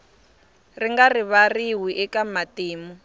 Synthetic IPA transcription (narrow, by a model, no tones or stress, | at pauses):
riŋɡariβariwiʔɛkamatiːmu